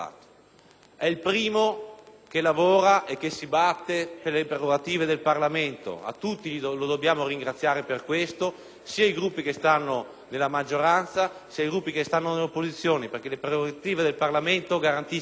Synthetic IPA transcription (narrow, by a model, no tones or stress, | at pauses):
a̰t̪o̥ | ɛilpɾiːmokelavoːɾaʔek̟ːesːibat̪ːeperlepɾeroɡat̪iːved̪elparlament̪o̰a̰t̪ːut̪ːilod̪objaːmoɾiŋɡɾat̪sːjaːɾeperkwest̪o | siːaiɡɾupːikest̪anːo | nelːamad͡ʒːoɾant̪sasiaiɡɾupːikest̪anːoneleopːozit̪sːjoːniperk̟elepɾeoɡat̪iːved̪elparlament̪oɡaɾant̪i